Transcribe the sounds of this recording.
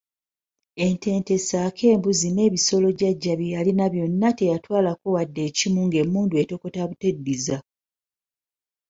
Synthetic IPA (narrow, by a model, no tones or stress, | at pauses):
e̞nte̞ːnte̞saːkʰe̞ːmbuzine̞ːβiso̞lo̞ɟaɟːaβjijalinaβjo̞nːate̞jatwaːlakowadːe̞ːcimuŋɡe̞muːndue̞to̞ko̞taβutedːiza